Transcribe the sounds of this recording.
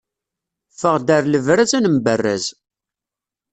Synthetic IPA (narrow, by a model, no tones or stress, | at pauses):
fəʁd̪əɾləvɾæzænəmbərːæ̰z